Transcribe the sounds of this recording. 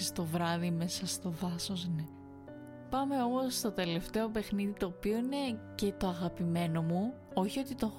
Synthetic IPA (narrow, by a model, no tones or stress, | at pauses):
ist̪o̞vɾɐðime̞sɐst̪o̞ðɐso̞sne | pɐme̞o̞most̪o̞t̪e̞le̞ft̪e̞o̞pe̞xniðit̪o̞ːpio̞ine̞ce̞t̪o̞ɐɣɐpime̞no̞mu | o̞çio̞t̪it̪o̞